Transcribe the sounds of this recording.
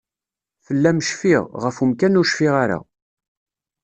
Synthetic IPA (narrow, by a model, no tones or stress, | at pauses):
fəlːæmʃfiʁʁəfumkænʊʃfiʁaɾa̰